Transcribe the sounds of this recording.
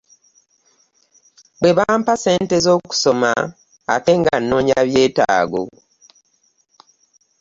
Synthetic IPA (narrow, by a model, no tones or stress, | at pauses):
bwe̞βaːmpase̞ːnte̞zo̞ːku̥so̞ma̰ː | te̞ŋɡanːo̞ːɲaβje̞ːta̰ːɡo̰